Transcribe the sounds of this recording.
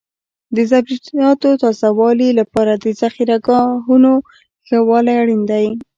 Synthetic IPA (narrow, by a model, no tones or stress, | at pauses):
d̪əzabɾid̪ijɑt̪ot̪ɑzawɑlilapɑɾad̪əzaxiɾaɡɑɦuno | xawɑlajaɽind̪aj